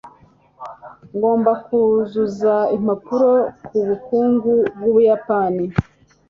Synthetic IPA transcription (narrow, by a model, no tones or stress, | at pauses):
ŋɡo̞ːmbakuzuzaimapuɾo̞kʰuβukuːŋɡubɡuβujapani